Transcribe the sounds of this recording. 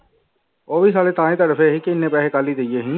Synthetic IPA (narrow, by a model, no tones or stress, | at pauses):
oːbiːs̬aːlet̪aːẽːt̪əɾəfʰeɦikɪɪnːẽːpɛːɦekaːliːd̪ɪjeːɦĩ